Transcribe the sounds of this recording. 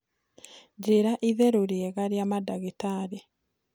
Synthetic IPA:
ɟeɾaʔiðɛɾoɾiɛɣaɾjamadaɣitaɾe

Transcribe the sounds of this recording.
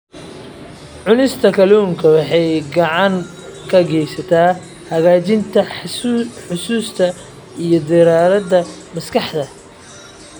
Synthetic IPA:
ʕʊnɪst̪ʰɐkʰɐluːŋkʰɐwɑħɑjɡɑʕɑŋ | kʰɐɡɛjsɐt̪ʰaː | hɐɣaːt͡ʃɪnt̪ʰɐ | ħʊsuːst̪ʰɐ | ijɞd̪ɪɾaːɾɐd̪ɐmɐskʰɑħd̪ɐ

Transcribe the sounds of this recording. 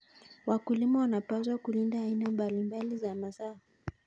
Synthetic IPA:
wakulimawanapazwakulindaːinambalimbalizamasaa

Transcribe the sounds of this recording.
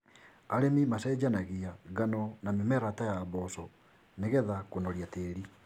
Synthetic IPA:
aɾemimasɛd͡ʑanaɣiaɡanɔnamemɛɾatajaβɔsɔ | neɣɛðakonɔɾjateɾi

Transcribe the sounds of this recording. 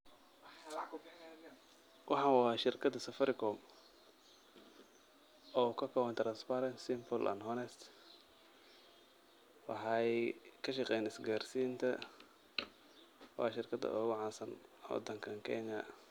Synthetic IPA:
wʔɑħɑnwːʃɪrkʰɐd̪ɐsɐfɐɾɪkʰɔm | ɔːkʰɐkʰɔwɐnt̪ɾɐnspaɾɐnsɪmpʰʊlʔɐ̰nɦɔnɛst̪ | wɑħɑjkʰɐʃɑqɛjnɪsɡaːrsiːnt̪ʰɐ | wɑ̰ːʃɪrkʰɐd̪ɐ̰ʔɔɣʊʕɑːsɐnwɔ̰d̪ɐŋkʰɐŋkʰɛ̰ɲɐ̰

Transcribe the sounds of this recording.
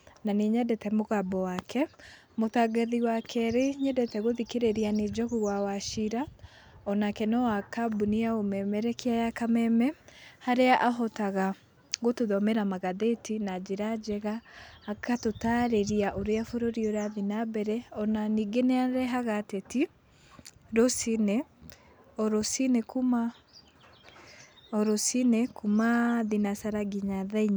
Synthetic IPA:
naneɲɛdɛtɛmoɣabɔwaːkʰɛ | motaɡeðiwakʰɛɾeɲɛdɛtɛɣoðikeɾeɾianed͡ʒɔɣuɣwawaʃiɾa | ɔnakɛnɔwakabuniaomɛmɛɾɛkeajakamɛmɛhaɾeaʔaɦɔtaɣa | ɣotoðɔmɛɾamaɣaðetinad͡ʒeɾad͡ʒɛɣaːkʰatotaɾeɾiaʔoɾeafoɾoɾioɾaðinabɛɾɛɔnaniɡeneaɾɛɦaɣatɛti | ɾosinɛ | ɔɾosinekuma | ɔɾosinɛkumaðinasaɾaɡiɲaðaiɲa

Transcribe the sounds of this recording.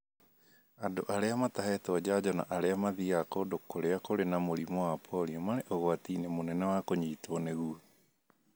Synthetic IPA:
adoʔaɾeamataɦɛtwad͡ʑad͡ʑɔna̰ʔaɾeamaðiakodokoɾeakoɾenamoɾimɔwapʰɔɾiɔmaɾeʔɔɣoatiːnemonɛnɛwakoɲitɔneɣu

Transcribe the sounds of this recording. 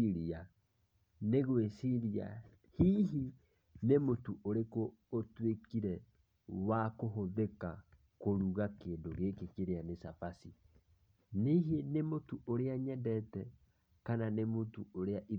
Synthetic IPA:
iɾia | neɣwesiɾia̰ | hiɦi | nemotuʔoɾekoː | twekiɾɛ | wakoɦoðeka | koɾuɣakeːndoɣekekeɾeanesafasi | neɦenemotuoɾeaɲɛdɛtɛ | kananemotuoɾeaʔi

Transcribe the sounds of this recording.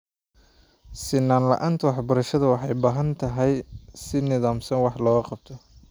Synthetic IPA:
sɪnːaːnlɐ̰ʔaːnt̪ʰwɑħbɐɾɐʃɐðɐwɑħɑjbaːɦɐnt̪ʰɐɦɛjsɪnɪðaːmsɐnwɑħlɔːɣɐqɑb̚t̪ʰɔ

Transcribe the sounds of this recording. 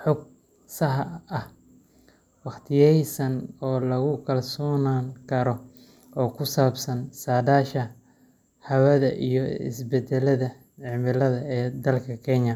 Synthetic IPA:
ħɔɡ̚ | sɐɦɐh | wɑχt̪ʰɪjɛjsɐnɔːlɐɣʊkʰɐlsɔːnaːŋkʰɐɾɔ | ɔːkʰʊsaːbsɐnsaːdaːʃɐ | hɐwɐðɐʔijɔɪ̰sbɛd̪ɛlɐðɐ | ʕɪmɪlɐðɐɛːd̪ɐlkʰɐkʰɛɲɐ

